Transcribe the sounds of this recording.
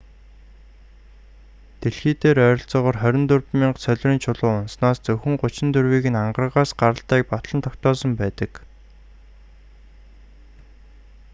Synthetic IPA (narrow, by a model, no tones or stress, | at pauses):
t̪eɮxiːt̪eːɾœːɾʲɞ̆ɬt͡sɔːʁɔːrχœɾʲɪ̆nt̪ɵrpmiːɴsœɮʲriːnt͡ɕʰʊɮʊːʊnsnaːst͡sɵwxʲɘ̆ŋɢʊt͡ɕɪ̆nt̪ɵrwiːɣɘ̆naɴɢə̆rʁaːsɢaɾə̆ɬt̪æːk̚pɔt̪ɮə̆nt̪ʰɔkt̪ɔːsɞ̆mpæːt̪ə̆k